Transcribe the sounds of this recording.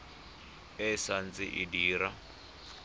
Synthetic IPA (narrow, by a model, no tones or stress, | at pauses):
ɛsant͡sʼɪ̰ʔidiːɾa